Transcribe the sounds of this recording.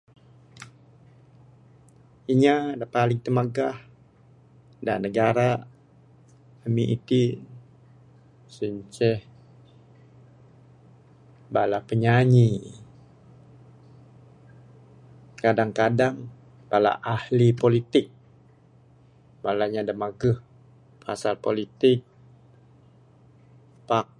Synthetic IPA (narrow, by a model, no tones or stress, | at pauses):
iɲadapalɪŋt̪əmaɡah | da̰nəɡaɾa | əmiʔit̪i | səɲt͡ʃɛh | balapəɲaɲi | kadaŋkadaŋ | bala̰ʔahlipolit̪ɪk̚ | balaɲadəmaɡəh | pʰasalpolit̪ɪk̚ | pak̚